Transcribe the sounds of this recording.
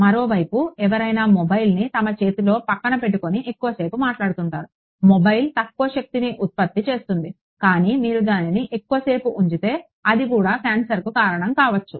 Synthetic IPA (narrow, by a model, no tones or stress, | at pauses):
mɐɾo̞ːʋɐjpuɛʋɐɾɐjnaːmobɐjlnit̪ɐmɐt͡ʃe̞ːt̪ilo̞ːpɐkːɐɳɐpe̞ʈːuko̞niʔekːuʋɐse̞ːɾpumaːʈlaːɽut̪uɳʈaːɾu | mɔbɐjlt̪ɐkːuʋɐʃɐk̚t̪iniʔut̪̚pɐt̪ːit͡ʃe̞ːst̪und̪i | kaːniːmiːɾud̪aːniniʔekːuʋɐse̞ːpuʔuɲt͡ʃit̪e̞ː | ɐd̪ikuːɽaːpʰjaːnsɐɾkukaːɾɐɳɐmkaːʋɐt͡ʃːu